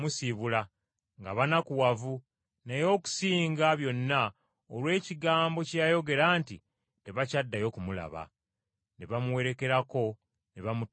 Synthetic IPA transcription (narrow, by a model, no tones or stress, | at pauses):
usiβula | ŋɡaβanakuwavu | nejo̞ːku̥siːŋɡaβjo̞nːa | olwe̞ːciɡaːmbo̞cjajo̞ɡe̞ɾaːntḭ | te̞βacadːajo̞ːkumula̰βa̰ | neβamuwe̞ɾe̞ke̞ɾako̞ | neβamu